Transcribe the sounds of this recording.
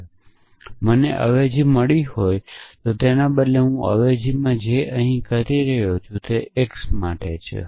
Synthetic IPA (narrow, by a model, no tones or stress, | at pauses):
məneʔə̰ʋed͡ʒiməɭihojt̪ot̪enabəd̪leɦũə̰ʋed͡ʒimãd͡ʒeʔəɦĩkəɾiɾəɦjot͡ʃʰũt̪eeksmaʈet͡ʃʰḛ